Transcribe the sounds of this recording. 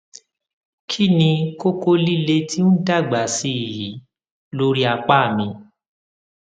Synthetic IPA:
kʰi˦nĩ˧ko˦ko˦li˦le˦ti˦n̩˦da˦˨ɡ͡ba˨si˧˦i˨ji˨˦ | lo˦ɾi˦a˧k͡pa˦˨mĩ˧

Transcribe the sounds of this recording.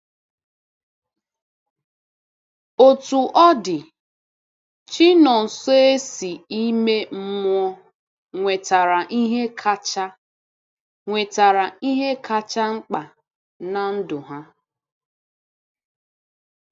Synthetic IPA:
o˨tu˨ʔɔ˦dɪ˨ | t͡ʃi˦nɔ˨n̩˨so˦e˦si˨i˦me˦m̩˦mʷ˦ɔ˦ | ŋʷe˨ta˨ɾa˨ʔi˦ɦe˦kʰa˦t͡ʃa˦ | ŋʷe˨ta˨ɾa˨i˦ɦe˦kʰa˦t͡ʃa˦ŋ͡m̩˦k͡pa˨ | na˨n̩˦dʊ˨ɦa˦

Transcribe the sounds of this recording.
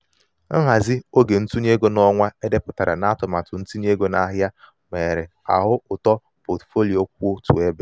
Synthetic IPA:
ŋ̩˦ɦa˨zɪ˦o˦ɡe˨n̩˦tu˦ɲ˦e˦ɡo˦nɔ˦ŋʷa˦e˦de˦pʊ˨ta˨ɾa˨na˦tʊ˨ma˨tʊ˨n̩˦tu˦ɲ˦e˦ɡo˦na˦ɦja˦ | me˨ɾɪ˨ | a̰˨ɦʊ˦ʊ˨tɔ˦ | po˨tfo˦li˨o˦k̚ʷo˦tṵ˨e˦be˦

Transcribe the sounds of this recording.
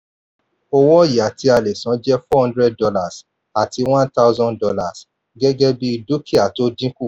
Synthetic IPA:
o˧wɔ˦i˦˨ja˨ti˧˦a˧le˨sã˨˦d͡ʒɛ˦fɔ˦hɔ̃˦ndɾɛ˦d̚dɔ˧la˦˨s | a˨ti˨˧w̃ã˦nta˦zɔ̃˦ndɔ˧la˦˨s | ɡɛ˦ɡɛ˦bi˦i˧do˦ki˦a˨to˦dĩ˦ku˦˨

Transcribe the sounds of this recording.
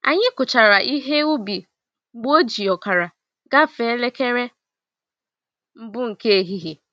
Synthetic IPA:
a̰˨ɲɪ˦kʊ˨t͡ʃa˨ɾa˨ʔi˦ɦe˦u˦bi˨˦ | ɡ͡bo˦d͡ʒi˨ɔ˨ka˨ɾa˨ | ɡa˦fe˨˦le˦ke˦ɾe˦ | m̩˦bʊ˦ŋ̩˨ke˦e˨ɦi˦ɦe˨

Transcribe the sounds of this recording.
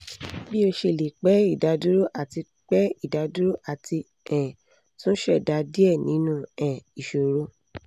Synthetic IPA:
bi˦o˧ʃe˧˨le˨k͡pɛ˨˦i˦˨da˨˧du˦ɾo˦ʔa˦˨ti˧ | k͡pɛ˦i˦˨da˨˧du˦ɾo˦ʔa˦˨ti˧ | ɛ̃˨ | tũ˦ʃɛ˦˨da˨˧di˦ɛ˦˨nĩ˨˦nũ˦ɛ̃˨i˨ʃo˨ɾo˨˦

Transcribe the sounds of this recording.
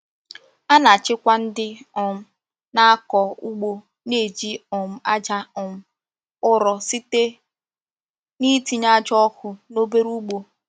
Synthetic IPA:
a˦na˨t͡ʃɪ˦kʷa˦n̩˦dɪ˦ɔ˨m̩˦ | na˦a˦kɔ˨u˦ɡ͡bo˦ | ne˨d͡ʒi˦ɔ˨m̩˦a˦d͡ʒa˦ɔ˨m̩˦ | ʊ˦ɾɔ˨si˦te˦ | ni˦ti˨ɲa˦d͡ʒɔ˦kʊ˨no˦be˦ɾu˦ɡ͡bo˦

